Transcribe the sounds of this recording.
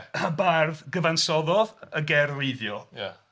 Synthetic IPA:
abarðɡəvansɔðɔðəɡɛrrɪɨðjɔja̰

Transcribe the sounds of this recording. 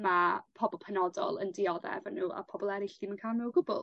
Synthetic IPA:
mapʰɔbɔlˠpʰɛnɔdɔ̰lˠəndɪɔðɛ̰vanuːa̰pʰɔbɔlˠɛɾɪɬd̥imankʰaːlˠmɛwɡʊbʊ̰lˠ

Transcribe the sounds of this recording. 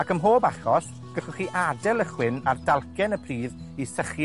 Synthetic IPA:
akəmɦoːbaχɔs | ɡ̥əɬʊχiʔadɛlˠəχwɪnardalˠkʰɛnəpʰriːðisəχj

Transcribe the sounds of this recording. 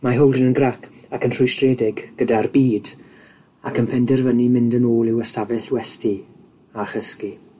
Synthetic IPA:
maɦowlˠdənənɡrakʰakənr̥ʊjstreːdɪɡɡ̥ədarbiːd | akənpʰɛndɛrvənimɪ̃ndənoːlˠɪwəstavɛɬwɛsti | aχəski

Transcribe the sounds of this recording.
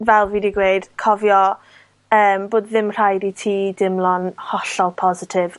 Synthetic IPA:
vɛlˠviːdiɡweɨd̥kʰɔvjɔ | əːmboːdðɪmr̥ajditʰiːdɪmlˠɔnhɔɬɔlˠpʰɔzɪtʰɪv̥

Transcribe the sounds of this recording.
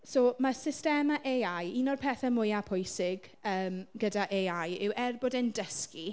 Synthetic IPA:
somasɪstɛmaʔeajinɔrpʰɛːθɛmʊjapʰʊjsɪɡ̥ | əːmɡ̥ədaʔejajɪwʔɛrbɔdɛndəski

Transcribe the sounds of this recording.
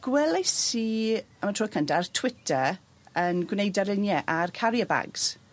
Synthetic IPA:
ɡ̥wɛlˠasi | əmatʰruːkʰəntʰartʰw̥ɪtʰə | ənɡwnejdaɾɪnjɛʔarkʰaɾjəba̰ɡz̥

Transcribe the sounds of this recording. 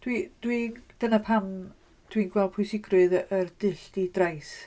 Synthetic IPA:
d̥wid̥wind̥ənapʰam | d̥winɡ̥wɛl̚ˠpʰʊjsɪɡrʊɨðərd̥ɨɬdidrajs

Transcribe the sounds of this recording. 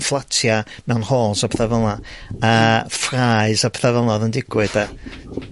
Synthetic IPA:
flˠatʰja | mɛwnhoːlˠsapʰθɛvəlˠaafraɨsapʰθɛvəlˠɔðəndɪɡ̥wɨda

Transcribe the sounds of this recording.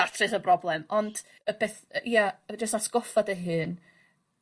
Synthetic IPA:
atʰrɨsəbrɔblˠɛmɔnd̥ | əb̥eːθijad͡ʒəstasɡ̥ɔfadəɦɨːn

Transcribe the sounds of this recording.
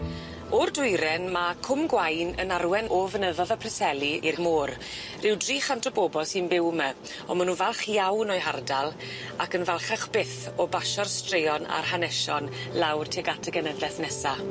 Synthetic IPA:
ɔrdʊɨɾɛnmakʰʊmɡwajnə̰narwɛnɔvənəðɔðapʰrɛsɛlˠiirmoːɾ | rɪwdriːχantʰɔboːbɔsɨnbɪwmɛ | ɔmanunvalˠχjawnɔɨɦardalˠ | akənvalˠχaχb̥ɪθɔbaʃɔrstrejɔna̰rhanɛʃɔnlawrtʰeɡatʰəɡɛnɛðɛθnɛsa

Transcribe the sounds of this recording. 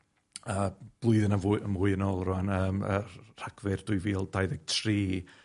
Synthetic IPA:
əːb̥lˠʊɨðɪnavʔəmvʊːɨənoːlˠrʊanəːmər̥aɡ̥vɨrd̥ʊɨviːlˠdajðɛɡ̥̚tʰriː

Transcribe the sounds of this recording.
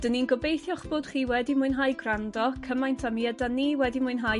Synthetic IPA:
d̥əninɡɔbejθjɔχb̥ʊːd̥χiːwɛdimʊɨnɦaːjɡrandɔkʰəmajntʰamiɛdaniwɛdimʊɨnɦaj

